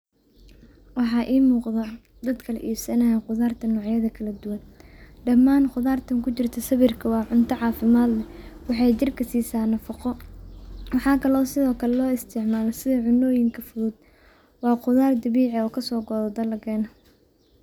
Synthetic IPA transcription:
wɑħɑːʔiːmuːqðɐ | d̪ɐd̪kʰɐlɐʔiːbsɐnɐɦɛqʊðaːrt̪ʰɐnɔːʕjɐðɐkʰɐlɐd̪ʊwɐnɖɐmːaːnqʊðaːrt̪ʰɐŋkʰʊt͡ʃɪrt̪ʰɐsɐβɪrkʰɐwɑːʕʊnt̪ʰɐʕɑːfɪmaːd̪lɛwɑħɑjt͡ʃɪrkʰɐsiːsaːnɐfɑqɔ | wɑħɑːkʰɐlɔːsɪðɔːkʰɐlɛlɔːɪst̪ʰɪʕmaːlɛsɪðɐʕʊnɔːjɪŋkʰɐfʊðʊd̪̚ | wɑːqʊðaːrd̪ɐβiːʕɛɔːkʰɐsɔːɡɔːðɐd̪ɐlɐkʰɛːnɐ

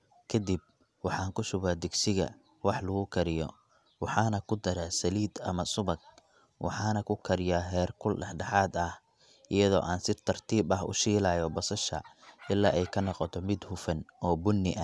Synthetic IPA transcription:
kʰɐd̪ib̚ | wɑħɑːŋkʰʊʃʊβaːd̪ɪɡsɪɣɐ̰ | wɑħlɐɣʊkʰɐɾɪjɔ̰ | wɑħɑːnɐkʰʊd̪ɐɾaːsɐliːd̪ɐmɐsʊβɐɡ̚ | wʔɑ̰ħɑːnɐkʰʊkʰɐɾɪjaːɦɛːrkʰʊlɖɛħɖɛħɑːd̪ɐh | ʔɪjɐðɔ̰ːʔaːnsɪt̪ʰɐrt̪ʰiːbɐɦʊ̰ʃiːlɐːjɔbɐsɐʃɐ̰ʔɪlːa̰ːʔɛjkʰɐnɔqɔt̪ʰɔmɪd̪hʊfɐnɔːbʊnːɪʔɐ

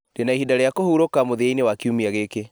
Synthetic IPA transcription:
d̥enaihidaɾejakohuɾokamoðainewakiumiaɣeke

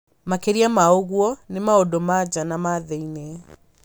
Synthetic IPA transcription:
makeɾiamaoɣwɔnemaodomad͡ʑanamaðeinɛ

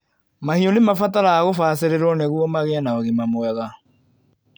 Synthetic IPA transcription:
mahiɔnemafataɾaaɣofaːs̬eɾeɾwɔnɛɣuɔmaɣeanaoɣimamoɛɣa

